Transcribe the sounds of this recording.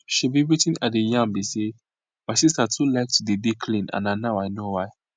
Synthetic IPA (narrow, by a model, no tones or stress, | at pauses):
ʃibiɹitĩnadejãmbise | maɪsistatʰulaɪk̚tudebikʰlĩnã̰nanawaɪnowaɪ